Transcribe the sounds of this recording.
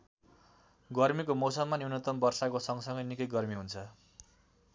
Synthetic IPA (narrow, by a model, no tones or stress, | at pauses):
ɡʌrmikomʌwsʌmːaniwnʌt̪ʌmbʌrsakosʌŋɡʌsʌŋɡʌjnikʌjɡʌrmiɦunt͡sʰʌ